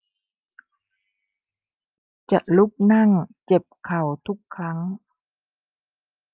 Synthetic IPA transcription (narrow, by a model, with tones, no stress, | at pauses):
t͡ɕa˧˩ʔlu˦˥p̚na˥˩˨ŋt͡ɕe˨˩p̚kʰa˨˩wt̪ʰu˦˥kʰːa˦˥ŋ